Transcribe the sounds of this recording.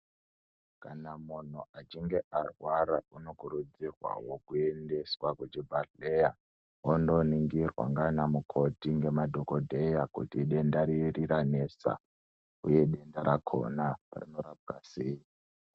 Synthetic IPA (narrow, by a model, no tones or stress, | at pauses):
kanamun̤uat͡ʃiŋɡe̞ʔarwaɾauno̞kuɾud͡zirwa̰wo̞kuende̞swakut͡ʃibʱarleja | ondoniŋɡirwa̰ŋɡanamukʰo̞tiŋɡe̞madʱo̞kodʱejakṵtiɗe̞ndaɾirirane̞sa̰ | uje̞ɗe̞ndaɾakʰo̞̰napa̰rino̞ɾab̚ɡaseːi